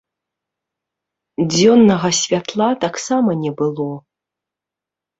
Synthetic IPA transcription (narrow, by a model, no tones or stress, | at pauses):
d͡zʲɔnːɐɣɐsʲvʲat̪lˠat̪aksamɐnʲɛbɨlˠɔ